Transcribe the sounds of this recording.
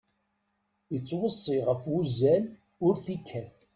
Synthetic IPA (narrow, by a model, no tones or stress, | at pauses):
jət͡sːwəsˤːiʁəfwuzæl | ʊɾθikʰːæθ